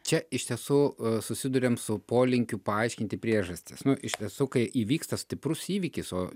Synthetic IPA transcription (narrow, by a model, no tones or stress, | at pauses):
t͡ʃʲɛɪʃʲt̪ʲiɛsuːsʊsʲɪd̪ʊɾʲeːmsʊpoːlʲɪŋʲkʲʊpɐɐɪʃʲkʲɪnʲt̪ʲɪpʲɾʲiɛʒɐsʲt̪ʲɪsnʊʔɪʃʲt̪ʲiɛsuːkɐɪʔiːʋʲiːkst̪ɐsʲt̪ʲɪpɾʊsiːʋʲɪkʲɪsoː